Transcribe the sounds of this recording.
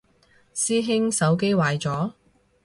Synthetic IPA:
siː˥ɦɪ˥ŋsɐ˨˥wk̬e˥jwaː˨˧jt͡sɔː˨˥

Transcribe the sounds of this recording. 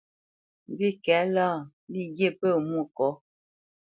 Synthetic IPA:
m˨bi˦kɛ˨˦laː˦˨ | li˦˨ɡje˦˨pə˦˨mu˦˨kɔ˨˦

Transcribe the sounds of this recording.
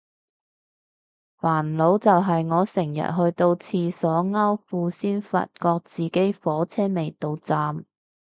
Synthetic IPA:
faː˨˩nlo˨˥wt͡sɐ˨wɦɐ˨jŋɔː˨˧sɪ˨˩ŋjɐ̰˨t̚ɦɵ˧ɥt̪o˧wt͡sʰiː˧sɔː˨˥ŋɐ˥wfuː˧siː˥nfɐ̰˨t̚kɔː˧k̚t͡siː˨ke˨˥jfɔː˨˥t͡sʰɛː˥me˨jt̪o˧wt͡saː˨m

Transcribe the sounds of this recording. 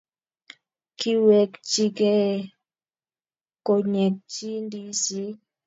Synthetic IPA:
ki˦wɛ˨kt͡ʃi˦kɛ˦˨ | ko˨ɲɛ˨k̚t͡ʃi˦ndi˦si˦

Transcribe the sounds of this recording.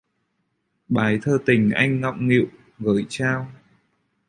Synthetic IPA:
ɓaː˨˩jt̪ʰəː˧t̪ï˨˩ŋ̟ʔa̰˧jŋ̟ːɔ̰˧˨wŋ͡mŋḭ˧˨w | ɣəː˨˩˦jt͡ɕaː˧w

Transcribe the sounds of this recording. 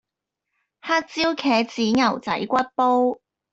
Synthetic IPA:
ha˥k̚t͡siː˥wkʰɛː˨˥t͡siː˨˥ŋɐ˨˩wt͡sɐ̰˨˥jkʷɐ˥t̚po˥w

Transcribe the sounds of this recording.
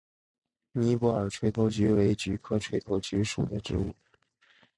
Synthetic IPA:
ni˧˥pu˧˥ə̰˞˨˩ʈ͡ʂʰwe˧˥ɪt̪ʰo˧˥ʊt͡ɕy˧˥we˧˥ɪt͡ɕy˧˥kʰɤ˥ʈ͡ʂʰwe˧˥ɪt̪ʰo˧˥ʊt͡ɕy˧˥ʂu˨˩d̪ə˦ʈ͡ʂɻ̩̰˧˥u˥˩

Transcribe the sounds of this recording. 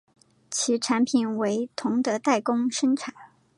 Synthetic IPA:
t͡ɕʰi˧˥ʈ͡ʂʰa˧˥npʰi˨˩nwe˧˥ɪt̪ʰʊ˧˥ŋd̪ə˧t̪a˥˩ɪkʊ˥ŋʂə˥nʈ͡ʂʰa˨˦n

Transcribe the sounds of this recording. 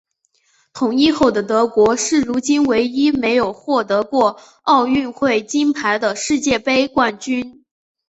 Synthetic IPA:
t̪ʰʊ˨˩ŋi˥xo˥˩ʊd̪ə˩t̪ɤ˧˥kwɔ˧˥ʂɻ̩˥˩ɻu˧˥t͡ɕi˥nwe˧˥ɪi˥me˧˥ɪjo˨˩ʊxwɔ˥˩t̪ɤ˧˥kwɔ˥˧ | ɑ˥˧ʊy˥˧nxwe˥˩ɪt͡ɕi˥npʰa˧˥ɪd̪ə˧ʂɻ̩˥˧t͡ɕjɛ˥˩pe˥ɪkwa˥˩nt͡ɕy˥n

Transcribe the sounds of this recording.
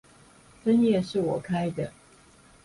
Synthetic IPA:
fə˦njɛ˥˧ʂɻ̩˥˩wɔ˨˩kʰa˦ɪd̪ə˨

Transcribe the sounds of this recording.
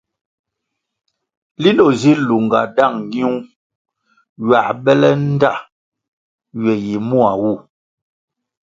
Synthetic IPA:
li˦lɔ˨zi˦lu˨ŋɡa˨da˦˨ŋ˦ɡi˦u˦ | ɥa˨ɓɛ˦lɛ˦n̩˦da˦˨ | ɥɛ˨ji˨mu˦a˨wu˦˨

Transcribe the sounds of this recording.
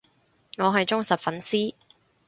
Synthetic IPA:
ŋɔː˨˧ɦɐ˨jt͡ʃʊ˥ŋsɐ˨p̚fɐ˨˥nsiː˥

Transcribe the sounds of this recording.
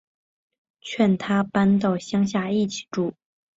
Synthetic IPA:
t͡ɕʰɥɛ˥˩nt̪ʰa˥pa˥nt̪̬ɑ˥˩ʊɕjɑ˥ŋɕ̬ja˥˧i˥˩t͡ɕʰi̥˨˩ʈ͡ʂu˥˩

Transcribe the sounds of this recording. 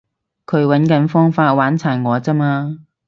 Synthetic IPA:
kʰɵ˨˧ɥwɐ˨˥nkɐ˨˥nfɔː˥ŋfaː˧t̚waː˨˥nt͡sʰaː˨˩nŋɔː˨˧t͡sɐ˥maː˧

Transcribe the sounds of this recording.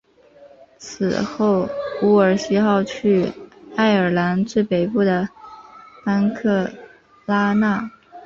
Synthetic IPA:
t͡sʰɹ̩̰˨˩xo˥˩ʊu˧˥ə˞˨˩ɕi˥xɑ˥˧ʊt͡ɕʰy˥˩a˥˩ɪə˞˨˩la˧˥nt͡swe˥˩ɪpe˨˩ɪpu˥˩d̪ə˩ | t̪a˥nkʰɤ˥˩ | la˥na˥˩

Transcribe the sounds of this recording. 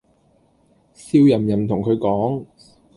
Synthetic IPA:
siː˧wjɐ˨˩mjɐ˨˩mt̪ʰʊ˨˩ŋkʰɵ˨˧ɥkɔː˨˥ŋ

